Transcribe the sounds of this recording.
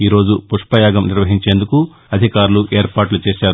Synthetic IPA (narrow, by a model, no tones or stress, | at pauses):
iːɾo̞ːd͡ʒupuʂpɐjaːɡɐmniɾʋɐɦiɲt͡ʃeːnd̪uku | ɐd̪ʱikaːɾluʔe̞ːɾpaːʈlut͡ʃeːʃaːɾu